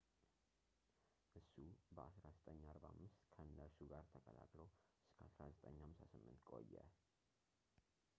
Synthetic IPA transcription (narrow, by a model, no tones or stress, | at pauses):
ʔɨsːubəasɾazət̪ʼəɲːaɾbahamːɨst̪kʰəɨnːəɾsuɡaɾt̪ʰəkʼəla̰kʼlowʔɨskʰəasɾazət̪ʼəɲːhamsasɨmːɨnt̪kʼo̞̰jːɛ